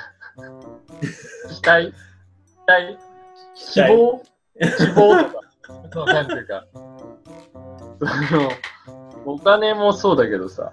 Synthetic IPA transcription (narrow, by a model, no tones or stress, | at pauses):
ki̥t̪ai | i̥t̪ai | kioː | kibo̞ːt̪o̞ka | oãɲit̪eka̰ | sono | okane̞moso̞ːd̪ake̞d̪o̞sa̰